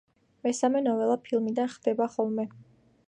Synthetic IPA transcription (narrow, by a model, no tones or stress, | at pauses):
mɛsamɛnɔvɛlˠapʰilˠmid̪anχd̪̥ɛbaχɔlˠmɛ